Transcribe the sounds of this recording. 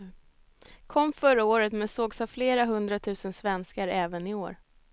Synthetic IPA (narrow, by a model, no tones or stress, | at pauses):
kʰɔmːfœɾaoːɾət̪mɛnsoːɡsavfleːɾaɦɵnd̪ɾat̪ʰʉ̟ːsənsvɛnskaɾɛːvənɪo̰ːɾ